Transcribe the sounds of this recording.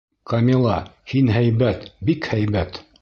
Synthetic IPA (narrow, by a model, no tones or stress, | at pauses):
kɐmʲilˠɑhinɦæjbæt̪bikhæjβæt̪